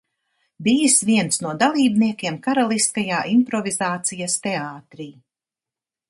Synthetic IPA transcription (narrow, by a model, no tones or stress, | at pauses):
bijsviɛnt̪snuɔd̪alˠiːbniɛkʲiɛmkaɾalˠist̪kajaːʔimpɾɔvizaːt̪sijast̪eaːt̪ɾiː